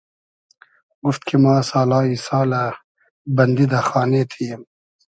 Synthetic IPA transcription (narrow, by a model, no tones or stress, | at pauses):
ɡʊft̪kʰimãːsaːlaːisaːla | bɐnd̪id̪axaːnet̪ʰijm